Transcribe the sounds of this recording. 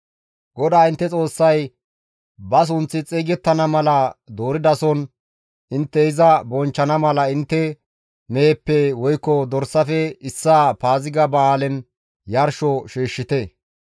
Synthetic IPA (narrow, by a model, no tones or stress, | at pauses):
ɡɔd̪aːɪnt̪ːɛt͡sʼo̞ːsːɐj | bɐs̬ʊnt͡sːɪt͡sʼeːɡɛt̪ːɐnɐmɐlɐd̪o̞ːɾɪd̪ɐsɔn | ɪnt̪ːɛɪzɐbɔnt͡ʃːɐnɐmɐlɐɪnt̪ːɛ | meːpːɛwɔjkːɔd̪ɔɾsːɐfɛɪsːaːpaːzɪɡɐbɐaːlɛn | jɐɾʃɔʃeːʃːɪt̪ɛ